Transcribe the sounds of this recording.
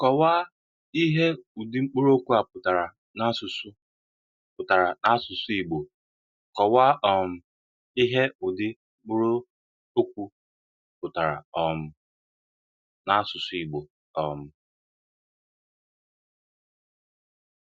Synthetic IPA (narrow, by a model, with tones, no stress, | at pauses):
kɔ˨wa˦ | i˦ɦe˦ʊ˨dɪ˦ŋ͡m̩˦k͡pu˦ɾo˦kʷu˦a˨pʊ˨ta˨ɾa˨ | na˦sʊ˨sʊ˦ | pʊ˨ta˨ɾa˨na˦sʊ˨sʊ˦i˨ɡ͡bo˨ | kɔ˨wa˦ɔ˨m̩˦ | i˦ɦe˦ʊ˨dɪ˦ŋ͡m̩˦k͡pu˦ɾo˦ | o˦kʷu˦˨ | pʊ˨ta˨ɾa̰˨ɔ˨m̩˦ | na˦sʊ˨sʊ˦i˨ɡ͡bo˨ | ɔ˨m̩˦